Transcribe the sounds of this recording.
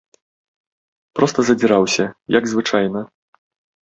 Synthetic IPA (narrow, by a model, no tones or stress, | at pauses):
pɾɔst̪ɐzɐd͡zʲiɾawsʲɐjɐɡzvɨt͡ʂajnɐ